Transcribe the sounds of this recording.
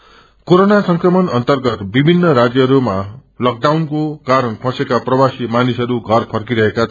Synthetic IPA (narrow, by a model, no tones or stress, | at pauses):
koɾonasʌŋkrʌmʌnʌnt̪ʌrɡʌt̪bibʱinːʌɾad͡zjʌɦʌɾumalʌk̚ɖawnkokaɾʌnpʰʌ̃sekaprʌbasimanisʌɾuɡʱʌrpʰʌrkiɾʌɦeka